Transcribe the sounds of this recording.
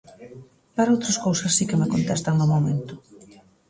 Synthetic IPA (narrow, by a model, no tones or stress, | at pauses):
paɾowt̪ɾɐskowsɐsːikemekont̪ɛst̪ɐŋnomomẽnt̪ʊ̥